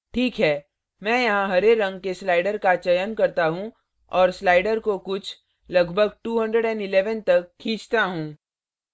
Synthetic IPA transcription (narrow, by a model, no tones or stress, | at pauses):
ʈʰiːkɦɛː | mɛ̃ːjɐɦãɦɐɾeɾɐ̃ŋɡkeslaːɪɖəɾkat͡ʃɐjənkɐɾt̪aɦũ | ɔːɾslaːɪɖəɾkokʊt͡ʃʰ | lɐɡbʱəɡʈuːɦə̃ɳɖɾəɖɛ̃nɖɪleːʋənt̪ɐkʰːĩːt͡ʃt̪aɦũː